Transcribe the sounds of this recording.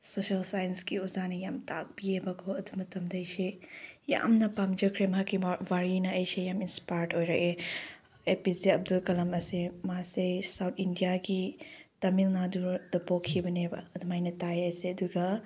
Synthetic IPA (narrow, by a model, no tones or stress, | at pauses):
sosɐlsajɐnskiuzanɐjamta̰k̚biebakʰoɐdumɐtɐmdɐjseja̰mnɐpamd͡ʒɐkʰɾemɦakiwaɾinɐːjsejaminspajɾʈojɾaʔe | epiziɐb̚dulkɐlɐmɐsemasesawt̪ʰindijaɡitɐmilnaduɾd̥ɐbokʰːibɐnebɐɐdumajnɐtajajseɐduɡɐ